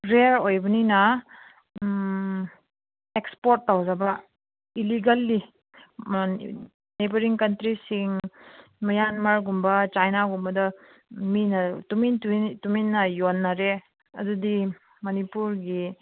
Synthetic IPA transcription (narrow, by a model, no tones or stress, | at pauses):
ɾeɾojbɐninɐ | ekspoɾtːawzabɐ | iliɡɐlːi | nebɐɾiŋkɐntɾisiŋ | mɐjanmɐɾɡumbɐt͡ʃajnaɡumbɐdɐ | minɐtumintutuminːɐjonːaɾe | ɐdudi | mɐnipuɾɡi